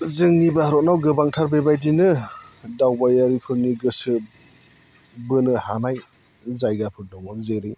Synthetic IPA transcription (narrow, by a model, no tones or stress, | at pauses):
zɯŋnibahɾɔtnawɡɯbaŋtʰaɾbebajdinɯdawbajaɾipʰɯɾniɡɯsɯ | bɯnɯhanaj | zajɡapʰɯɾdɔŋɯɾzeɾɯj